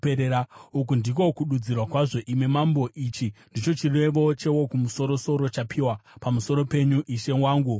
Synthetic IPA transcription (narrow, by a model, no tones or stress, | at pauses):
eɾeɾauk̬undiko̞kuɗud͡zirwakwaʐo̞ʔime̞mambo̞ʔiːt͡ʃindit͡ʃo̞t͡ʃire̞ʋo̞t͡ʃe̞wo̞kumuso̞ɾo̞so̞ɾo̞t͡ʃapʰiwapamuso̞ɾo̞pe̞ɲuʔiʃe̞waːŋɡu